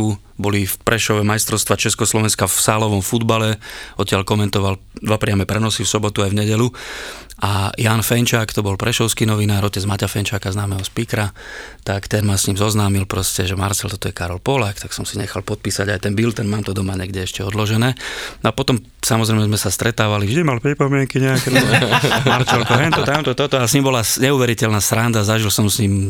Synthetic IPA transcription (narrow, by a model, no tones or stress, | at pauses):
u | bɔlifpɾɛʃɔʋɛmajst̪ɾɔʊst̪ʋat͡ʃɛskɔslɔʋɛnskafsaːlɔʋɔmfud̪balɛɔt̪ːɪaʎkɔmɛnt̪ɔʋal | d̪ʋapɾɪamɛpɾɛnɔsifsɔbɔt̪uajvɲɛɟɛlu | ajaːnfɛnt͡ʃaːkt̪ɔbɔlpɾɛʃɔʊskinɔʋinaːɾɔcɛd͡zmacafɛnt͡ʃaːkaznaːmɛɦɔspikɾat̪akt̪ɛnmasɲiːmzɔznaːmilpɾɔscɛʒɛmaɾt͡sɛlt̪ɔt̪ɔjɛkaɾɔlpɔlakt̪aksɔmsiɲɛxalpɔt̪̚piːsaɟajt̪ɛnbilt̪ɛnmaːmt̪ɔd̪ɔmaɲɛɡɟɛɛʃcɛɔd̪lɔʒɛnɛːnɔapɔt̪ɔm | samɔzɾɛjmɛzmɛsast̪ɾɛt̪aːʋalivʒd̪imalpɾipɔmɪɛŋkiɲɛakɛnɔmaɾt͡ʃɛlkɔɦɛnt̪ɔt̪amt̪ɔt̪ɔt̪ɔasɲimbɔlasɲɛuːʋɛɾicɛlnasɾand̪azaʒilsɔmsɲiːm